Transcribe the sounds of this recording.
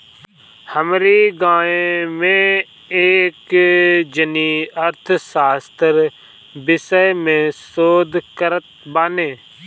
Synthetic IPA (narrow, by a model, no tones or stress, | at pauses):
həmɾiːɡãːemẽ | eːkd͡ʒəniːəɾt̪ʰsaːst̪əɾ | bɪsəjmẽːsoːd̪ʱkəɾət̪̚baːneː